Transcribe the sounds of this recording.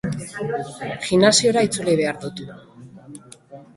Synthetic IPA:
ɣinasio̞ɾait͡suliβ̞e̞aɾðut̪u

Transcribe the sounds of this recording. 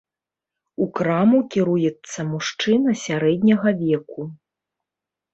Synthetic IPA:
ukɾamukʲiɾujɛt̪sːɐmuʂt͡ʂɨnɐsʲaɾɛd̪ʲnʲɐɣɐvʲɛku

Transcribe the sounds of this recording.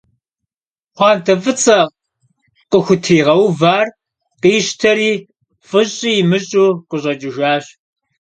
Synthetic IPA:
χʷɑːntʰɐfɨt͡sʼɐ | qəxʷʊtʰiːʁɐwvaːr | qiːɕtʰɐɾiː | fʼɨɕʼijɪmɨɕʼuːqəɕʼɐt͡ʃʼɪʒaːɕ

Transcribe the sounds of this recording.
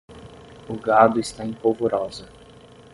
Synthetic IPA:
ʊɡad̪ʊɪst̪aẽpovoɾɔzɐ

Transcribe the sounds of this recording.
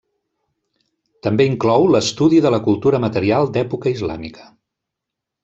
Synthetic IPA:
t̪əmbeiŋklɔwləst̪uðiðələkulˠt̪uɾəmət̪əɾialˠd̪ɛpukəizla̰mikʰə̥

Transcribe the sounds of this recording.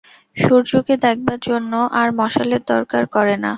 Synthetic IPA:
ʃoɾd͡ʑoked̪ɛk̚ʰbaɾd͡ʑonːoʔaɾmɔʃaleɾd̪ɔɾkaɾkɔɾena

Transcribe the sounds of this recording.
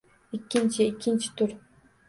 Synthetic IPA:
ɪkʲːɪnt͡ʃʰɪɪkʲʰːɪnt͡ʃʰɪ̥t̪ʰʊɾ

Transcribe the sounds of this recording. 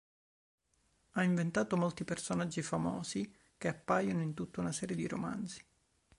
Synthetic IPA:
aiɱvent̪aːt̪omolt̪ipersonad͡ʒːifamɔ̰ːsi | k̟eapːajonoint̪ut̪ːaunasɛːɾjed̪iɾo̰ma̰nd̪si̥

